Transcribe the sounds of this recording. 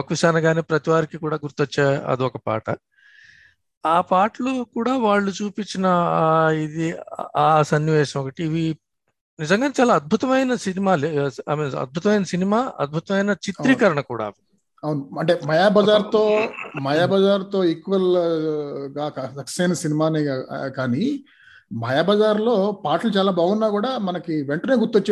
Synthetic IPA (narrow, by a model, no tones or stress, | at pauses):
okɐʋiʃaːnɐɡaːneːpɾɐt̪iʋaːɾikikuːɽaːɡuɾt̪ɔt͡ʃːeːɐ̰d̪iɔkɐpa̰ːʈɐ | aːpaːʈlukuːɽaːʋaːɭːut͡ʃuːpit͡ʃːinɐid̪iaːsɐnːiʋɛːʂɐmɔkɐʈiːʋi | nizɐŋɡaːt͡ʃaːlaːɐd̪̚bʱut̪ɐmɐjnɐsinimaːleaːmeːnɐ̰d̪̚bʱut̪ɐmɐjnɐsinimaːɐ̰d̪̚bʱut̪ɐmɐjnɐt͡ʃit̪ɾiːkɐɾɐɳɐkuːɽa̰ːʋi | ɐwunuɐɳʈemɐjaːbɐd͡ʒaːɾt̪oːmɐjaːbɐd͡ʒaːɾt̪o̞ːekːuʋɐl | ɡaːkasɐksɐjnɐsinimaːneːkaːni | mɐjaːbɐd͡ʒaːɾlo̞ːpaːʈɐlut͡ʃaːlaːbʱaːɡunːaːkuːɽaːmɐnɐkiʋeɳʈɐneːɡuɾt̪ːʋot͡ʃː